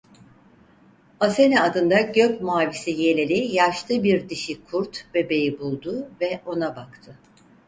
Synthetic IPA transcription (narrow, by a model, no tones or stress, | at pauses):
ase̞nɛad̪ɯnd̪aɟøcmaːvisije̞lʲelʲijaʃlɯbiɾd̪iʃikʰuɾt̪be̞be̞jibulˠd̪uvɛʔo̞nabakt̪ʰɯ